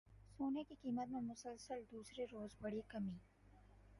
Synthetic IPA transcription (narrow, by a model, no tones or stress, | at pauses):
soːnekikiːmət̪mẽmʊsəlsəld̪uːsɾeɾoːzbɐɽikɐmi